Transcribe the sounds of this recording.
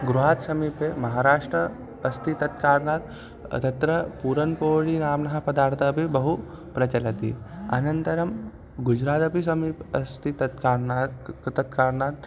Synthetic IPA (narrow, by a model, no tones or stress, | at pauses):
ɡɾuɦaːt̪sɐmiːpemɐɦaːɾaːʂʈɾə | ɐst̪ʰit̪ɐt̪kaːɾɳaːt̪ | t̪ɐt̪ɾɐpuːɾɐnpoːɭiːnaːmnɐɦapɐd̪aːɾt̪ʰɐpibɐɦu | pɾɐt͡ɕɐlɐt̪ḭɐ̰nɐnt̪ɐɾɐm | ɡud͡ʒɾaːt̪ɐpis̬ɐmiːpɐst̪ʰit̪ɐt̪kaːɾnat̪ɐt̪kaːɾɳaːt̪